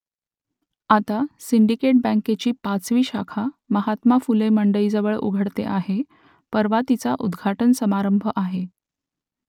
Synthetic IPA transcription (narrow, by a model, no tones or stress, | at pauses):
at̪asiɳɖikeʈ̚bɛ̃ŋket͡ɕiːpat͡sʋiːɕakʰaməɦat̪mafuleməɳɖəiːd͡zəʋəɭṵɡʱəɽt̪eʔaɦe | pəɾʋat̪it͡saʔud̪ɡʱaʈənsəmaɾəmbʱəʔaɦe